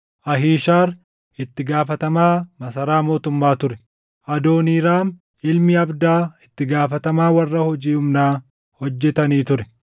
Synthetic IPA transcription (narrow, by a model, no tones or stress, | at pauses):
ʔɐɦiːʃaːɾ | ɪt̪ːɪɡaːfɐt̪ɐmaːmɐsɐɾaːmo̞ːt̪ʊmːaːt̪ʊɾɛ | ʔɐd̪o̞ːniːɾaːn | ɪlmɪɐbd̪aːɪt̪ːɪɡaːfɐt̪ɐmaːwɐrːɐhɔd͡ʒiːʊmnaː | hɔd͡ʒːɛt̪ɐniːt̪ʊɾɛ̥